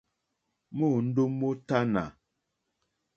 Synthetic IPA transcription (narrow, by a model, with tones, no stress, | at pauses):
mo˦˨n̩˦do˦mːo˦ta˦na̰˨